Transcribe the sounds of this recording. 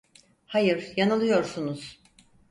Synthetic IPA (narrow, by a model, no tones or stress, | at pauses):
hajɯɾ̥janɯlˠɯjo̞ɾsunuz̥